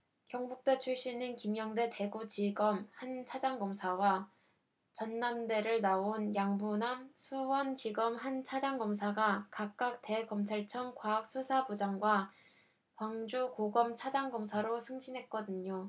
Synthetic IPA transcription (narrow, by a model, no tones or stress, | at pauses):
kjʌŋbuk̚t͈et͡ɕʰuɭɕ͈inɯnkimjʌŋde̞te̞ɡut͡ɕiɡʌmhant͡ɕʰad͡ʑaŋɡʌmsʰawa | t͡ɕʌnːamde̞ɾɯɭnaonjaŋbunamsʰuwʌnt͡ɕiɡʌmhant͡ɕʰad͡ʑaŋɡʌms̬ʰaɡakak̚k͈ak̚t͈e̞kʌmt͡ɕʰaɭt͡ɕʰʌŋkwaak̚s͈ʰusʰapud͡ʑaŋɡwa | kwaŋd͡ʑukoɡʌmt͡ɕʰad͡ʑaŋɡʌmsʰaɾosʰɯŋd͡ʑinɦe̞t̚k͈ʌdɯɲo